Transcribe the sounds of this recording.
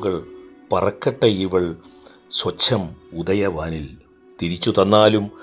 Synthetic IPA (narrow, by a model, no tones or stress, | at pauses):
ɣɐɭ | pɐrɐkːɐʈːɐiʋɐɭ | swɐt͡ɕʰːɐmud̪ɐjɐʋaːnil | t̪iɾit͡ɕːut̪ɐnːaːlum